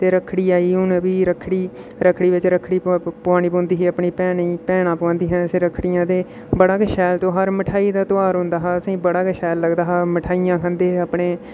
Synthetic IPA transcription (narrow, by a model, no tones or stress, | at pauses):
t̪eːɾəkʰɽiːaːiːʊnbiːɾəkʰɽiː | ɾəkʰɽiːʋɪt͡ʃɾəkʰɽiːpaːñiːpõːnd̪iːɦiːəpɳiːpɛːɳiːpɛːɳnãːpəãːnd̪iːɦɛ̃ːseɾəkʰːɽɪjãːt̪eː | bəɽaːɡəʃɛːlt̪õːɦəɾmɪʈʰaːiːd̪aːt̪oaːɾɦʊ̃nd̪aːɦaːəsĩːbəɽaːɡəʃɛːlːəɡd̪aːɦaːmɪʈʰaːijãːkʰə̃nd̪eːəpɳeː